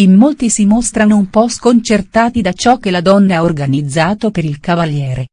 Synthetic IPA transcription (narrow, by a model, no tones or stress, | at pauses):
imːolt̪isimost̪ɾanoumpɔskont͡ʃert̪aːt̪id̪at͡ʃɔk̟ːelad̪ɔnːaaorɡanid̪zːaːt̪opeɾilkavaljɛːɾe